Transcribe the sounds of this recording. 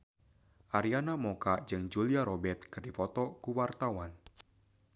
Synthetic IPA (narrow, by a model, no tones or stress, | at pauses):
ʔaɾianamokad͡ʒɨŋd͡ʒuliaɾɔbɛt̪̚kɨrdifɔt̪ɔkuwart̪awan